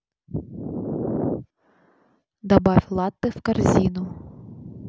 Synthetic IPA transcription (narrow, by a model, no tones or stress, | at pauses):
d̪ɐbɑfʲlˠɑt̪ːɨfkarzʲinʊ